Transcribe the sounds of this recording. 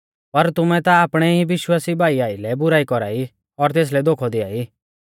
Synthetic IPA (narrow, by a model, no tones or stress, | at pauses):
pɐɾt̪ʊmɛ̃t̪aːpɽ̃ɛɦiʋɪʃwaːsibʱaːiaːilɛbʊɾaːikɔɾa̰ːi | ɔɾt̪eːs̬lɛd̪oːkʰɔd̪ɪa̰ːi